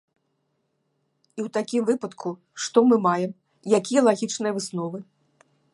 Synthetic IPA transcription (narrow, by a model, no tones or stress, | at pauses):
iwt̪akʲimvɨpɐt̪kʰu | ʂt̪ɔmɨmajɛm | jakʲijɐlˠaɣʲit͡ʂnɨjɐvɨsnɔvɨ